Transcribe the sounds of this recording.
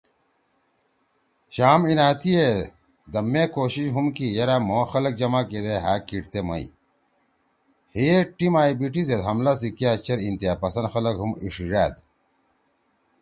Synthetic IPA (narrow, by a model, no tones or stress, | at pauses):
ɕaːminaːt̪ije | d̪ɐmːeːkoːɕiɕɦumkijɐɾamoːxɐlɐk̚d͡ʑɐmaked̪eɦaːkiʈt̪emɐ̰ḭ | hieʈimaːibiʈized̪ɦɐmlas̬ikijaːt͡ɕɐɾint̪ijaːpɐsɐnxɐlɐkɦumḭʂiɻaːd̪